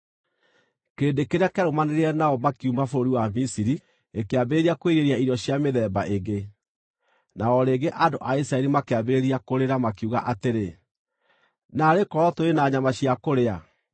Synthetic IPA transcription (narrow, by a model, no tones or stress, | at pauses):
keːndekeɾeakeaɾomaneɾeɛnaɔmakiumafoɾoɾiwamisiɾi | ekeabeeɾiakweɾeɾiaiɾɔɕjameðɛːbaʔeɡe | naɔɾeɡeʔandoʔaisɾaɛɾimakeabeɾeɾiakoɾeɾamakiuɣa̰ʔateɾe | naːɾekɔɾɔtoɾenaɲamaɕjakoɾea